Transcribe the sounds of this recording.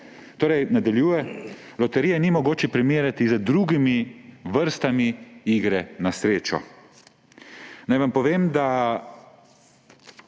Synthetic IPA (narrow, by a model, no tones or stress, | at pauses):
t̪oːɾɛjnad̪aljuːjɛ | lɔt̪ɛɾijɛnimɔɡoːt͡ʃɛpɾimeːɾjat̪izəd̪ɾuɡimiʋəɾst̪amiiːɡɾɛnasɾeːt͡ʃɔ̰ | najʋampɔʋeːmd̪a